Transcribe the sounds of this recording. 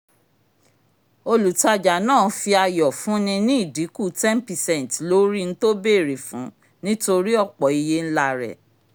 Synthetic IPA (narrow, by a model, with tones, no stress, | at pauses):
o˧lu˨ta˧d͡ʒa˨nãː˦˨˦fi˧a˧jɔ˨fũ˨˦nĩ˧nĩ˦i˦˨di˨˦ku˦˨tɛ˦n˦pi˨sɛ̃˨tlo˦ɾi˦n̩˦to˦be˦˨ɾe˨fṵ̃˨˦ | nĩ˦to˧ɾi˦ɔ˦˨k͡pɔ˨i˧je˦n̩˦la˧ɾɛ̰˨